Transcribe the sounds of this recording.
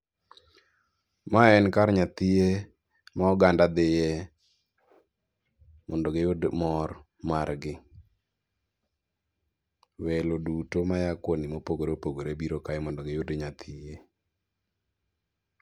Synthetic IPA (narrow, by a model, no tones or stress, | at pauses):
maɛnkaɾɲat̪ɪje | maɔɡandad̪ɪjɛ | mɔndɔɡejʊdmɔr | marɡɪ | wɛlodutomajakwonimopoɡoɾepoɡoɾebiɾokaɪmɔndɔɡejʊdeɲat̪ʰɪje